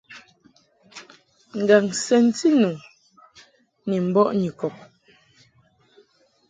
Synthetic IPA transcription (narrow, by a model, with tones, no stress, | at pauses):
ŋ̩˨ɡa˨ŋsɛ˨n̩˦ti˦nu˨ | ni˨m̩˨bɔ˦ʔɲi˨kɔ˨p̚